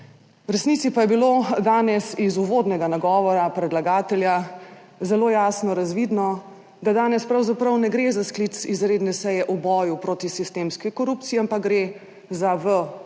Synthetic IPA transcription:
wɾɛsnit̪sipajɛbilod̪aːnɛsizuʋoːd̪nɛɡanaɡɔːʋɔɾapɾɛd̪laɡaːt̪ɛlja | zɛlojaːsnɔɾazʋid̪nɔ | d̪ad̪aːnɛspɾawzapɾɐwnɛɡɾezasklit̪sizɾeːd̪nɛsɛjɛʔubɔːjupɾoːt̪isist̪eːmskikɔɾupt̪siampakɡɾe | zaʋə

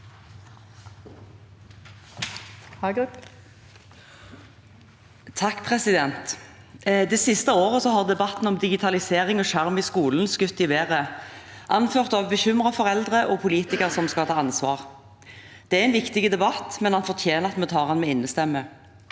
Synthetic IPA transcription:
t̪ʰɑkːpʰʁɛsɪd̪ɛnt̪ | d̪ɛːsɪst̪əoːʁəsɔhɑʁd̪ɛbɑt̪n̩ɔmd̪ɪɡɪt̪ʰɑlɪseːʁɪŋoːʃæʁmɪskuːln̩skʉt̪ːɪʋeːʁəʔɑnføːʁt̪ɑʋbəçʏmʁɑfɔʁɛld̪ʁəʔɔpʰʊliːt̪ɪkəʁsɔmskɑt̪ʰɑːɑnsʋɑːʁ | d̪̥ɛːæɪnʋɪkt̪ɪɡəd̪ɛbɑt̪mɛnhɑnfɔʁt̪ʰjeːnəʁɑt̪mɛːt̪ʰɑːʁhɑnmɛːɪnːəst̪ɛmːə

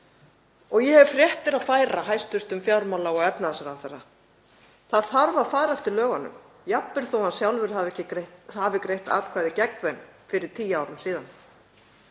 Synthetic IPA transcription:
ɔɣjɛhɛvfɾjɛht̪ɪɾaðfaːjɾaɦajst̪ʏst̪ʏmfjawɾmawlaɔɣɛpnaðɛsaɾawθɛrːa | θaðθaɾvaðfaːɾaɛft̪ɪɾlœːɣanʏ̰m | japːɪɾ̥θowhansjawlvɪɾ̥havɛcɪɾht̪havɪkɾejht̪a̰ːt̪kʰvaːðɪcɛkðemfɪɾɪɾ̥t̪ʰiːjaːwɾʏmsiːðan

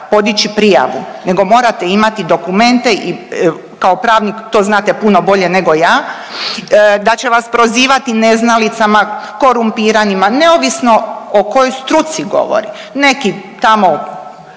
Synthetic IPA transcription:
po̞d̪it͡ɕipɾija̰ʋṵne̞ɡo̞mo̞ːɾat̪eimat̪id̪o̞kume̞nt̪e̞ʔi | kaopɾaːʋnikt̪o̞ːznaːt̪epuno̞bo̞ʎe̞ne̞ɡo̞jaː | d̪at͡ɕe̞ʋaspɾo̞ziːʋat̪ine̞znalit̪samako̞ɾumpiːɾanimane̞oʋisno̞oko̞jojst̪ɾut̪siɡo̞̰ʋo̰ɾḭ | ne̞kit̪amo

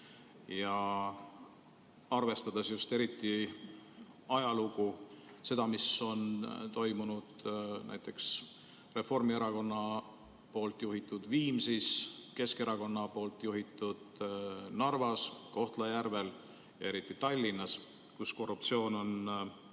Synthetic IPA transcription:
jɑ | ɑrve̞st̪ɑd̪̥esjust̪e̞ɾit̪ːˑi | ɑjɑluɡu | se̞d̪̥ɑmiso̞nt̪o̞jmunud̪̥næ̰jt̪ːˑe̞ks | re̞fo̞rmie̞ɾɑko̞nːɑ | po̞ːlt̪ˑjuɦit̪ːˑud̪̥viːmsiske̞ske̞ɾɑko̞nːɑpo̞ːlt̪ˑjuɦit̪ːˑud̪̥nɑrvɑsko̞ht̪lɑjærve̞l | jɑe̞ɾit̪ːˑit̪ɑlʲːinːɑs | kusko̞rup̚t̪sio̞ːno̞n

